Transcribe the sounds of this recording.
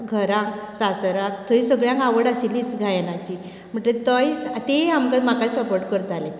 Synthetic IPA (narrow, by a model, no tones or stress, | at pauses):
ɡʱəɾãksasɾãkt̪ʰəisəɡɭjãŋkaʋəɽaɕilːiːsɡʱajnat͡ɕi | m̤əɳʈlet̪əjat̪eamkəmakasəpoɾʈkəɾt̪alẽ